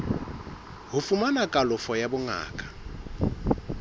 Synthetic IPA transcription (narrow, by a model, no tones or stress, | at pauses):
ɦufumanakʼalʊfɔjabʊŋa̰ːkʼḁ